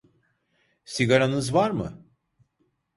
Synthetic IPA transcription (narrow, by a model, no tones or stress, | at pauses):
siɡaɾanɯzvaɾmɯ̰